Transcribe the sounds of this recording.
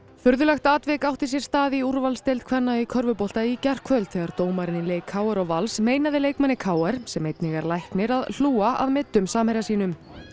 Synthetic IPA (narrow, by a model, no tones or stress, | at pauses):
fʏɾðʏlɛxt̪aːt̪vɛkawht̪ɪs̬jɛɾ̥st̪aːðiuɾvalst̪ejlt̪kʰvɛnːaikʰœɾvʏpɔwl̥t̪aicar̥kʰvœlt̪θɛːɣaɾt̪oːwmaɾɪnɪleːjkʰːaːwɛɾɔɣvalsmeːjnaðɪleːjkmanːɪkʰaːwɛɾ̥sɛmejt̪niɣaɾlajhknɪɾaðl̥uːaa̰ðmɪt̪ːʏmsaːmhɛjɾasiːnʏm